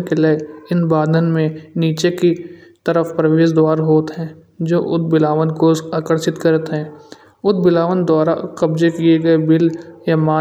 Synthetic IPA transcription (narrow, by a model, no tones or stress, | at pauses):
keleɪnbaːd̪ʱənmẽniːt͡ʃeki | t̪əɾəfpɾəʋeːʃd̪waːɾɦoːt̪ɦɛ̃ː | d͡ʒoːʔʊd̪̚bɪlaːʋənkosaːkəɾʃɪt̪kəɾət̪ɦɛ̃ː | ʊd̪̚bɪlaːʋənd̪waːɾa̰kɐbd͡ʒekieɡɐebɪljamaː